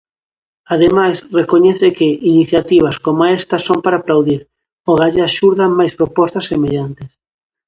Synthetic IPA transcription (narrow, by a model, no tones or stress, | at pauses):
aðemajsrekoɲɛθɪkɪiniθjat̪iβ̞ɐskomoaɛst̪ɐsompaɾaplawðiɾ | oɣaʎɪaʃuɾðɐŋmajspɾopɔst̪ɐsːemeʎant̪ɪs